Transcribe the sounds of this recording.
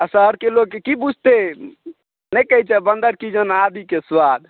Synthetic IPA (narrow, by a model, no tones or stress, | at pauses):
asəɦəɾkeloɡ̚kːekibud͡ʒʱt̪e | nɛkəɦit͡ʃɛbənd̪əɾkid͡ʒənad̪ʱikeswad̪